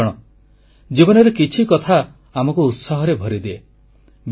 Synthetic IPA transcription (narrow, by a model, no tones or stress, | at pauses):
ɽ̃ɔ | d͡ʒibɔnɔɾekit͡ʃʰikɔt̪ʰa | amɔkuːt̪saɦɔɾebʱɔɾid̪e | b